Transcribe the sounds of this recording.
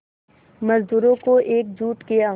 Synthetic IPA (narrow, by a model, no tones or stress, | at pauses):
mɐzd̪uːɾõkoʔeːk̚d͡ʒuːʈkea